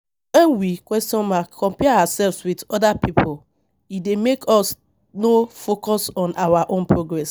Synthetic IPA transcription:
wɛ̃nwikwɛstɔ̃nmakʰɔ̃mpɛaasɛlvswidɔdapipʰol | idemekɔs | nofokɔsɔ̃nʔawaʔõnpɹoɡɹɛs

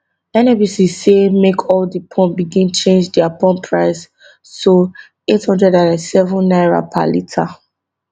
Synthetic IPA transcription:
ɛnɛbisisːemekʰɔldipʰɔ̃nbiɡĩnt͡ʃẽnd͡ʒdɛapɔ̃mpʰɹaɪsː | o | ethɔ̃ndɹɛdãnɛ̃nsɛvɔ̃nːaɪɹa̰pʰa̰litʰa̰

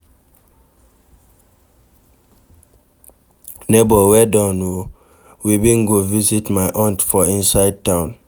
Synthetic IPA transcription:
nebɔwɛdãno | wibĩnɡovizitmaɪʔãntfɔĩnsaɪd̚tãʊ̃n

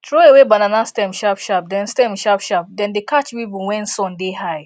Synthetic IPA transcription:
tɾoewebananastɛ̃mʃapʃap̚dɛ̃nstɛ̃mʃapʃap̚dɛ̃ndekat͡ʃpipowɛ̃nsɔ̃ndeɦaɪ

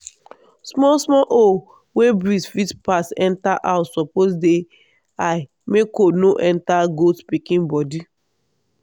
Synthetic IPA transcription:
smɔsmɔlʔo | webɹisfitpasɛ̃ntaʔasɔposde | a | mekonoʔɛ̃ntaɡotpikĩnbɔdi

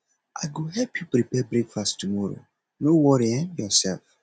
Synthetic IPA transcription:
ʔaɡoɦɛpjubɾebɛbɾekfasttumɔɾo̰ | nowɔɾiɛmjɔsɛlf

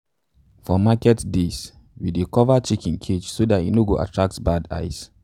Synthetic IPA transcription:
fɔmakɛtdes | widekɔvat͡ʃikĩnkʰed͡ʒsodatḭnoɡoʔa̰tʰɹak̚tbada̰ɪs

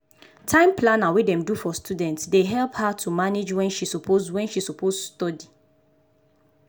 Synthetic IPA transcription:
tʰãɪ̃mplãnawidɛ̃mdufɔstudɛ̃ntsdeɦɛlphatʰumaned͡ʒwɛ̃nʃisɔpʰozwɛ̃nʃisɔpʰozustɔdi

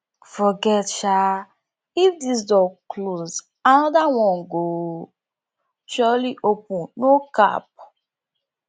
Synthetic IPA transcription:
fɔɡɛtʃa | ifdis̬dɔkloz | anɔdawɔ̃nɡo | t͡ʃɔliʔopũnnoka̰p̚

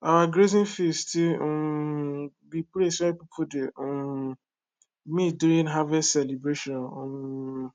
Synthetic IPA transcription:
aɡɾezĩnfisti | bipɾesɔɛpipʰude | mĩduĩnɦavɛssɛlibɾeʃɔ̃no

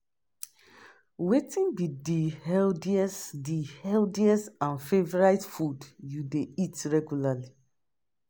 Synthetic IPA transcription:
wetĩnbidihɛldiɛsdihɛldiɛsãnfevɔɹaɪtfudjudeitɹɛɡjulali

